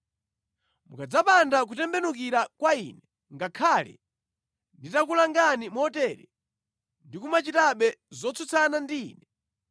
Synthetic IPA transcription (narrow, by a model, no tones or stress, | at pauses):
mukad͡zapandak̬utɛmbɛnuk̬iɾakwainɛ | ŋɡakʰaːlɛ̰ | nditakulaŋɡanimɔtɛɾɛ | ndikumat͡ʃitaɓɛzɔt͡sʰut͡sʰanandiiːnɛ